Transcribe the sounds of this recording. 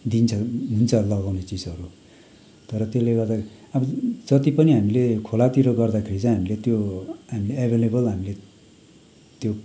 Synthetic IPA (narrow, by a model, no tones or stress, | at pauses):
d̪int͡sʰʌɦunt͡sʰʌlʌɡawnet͡sid͡zʌɾu | t̪ʌɾʌt̪eleɡʌrd̪a | ʌbʌd͡zʌt̪ipʌniɦamilekʰolat̪iɾʌɡʌrd̪akʰeɾit͡sʌĩɦamilet̪joɦamileebʱelebʌlɦamile | t̪jo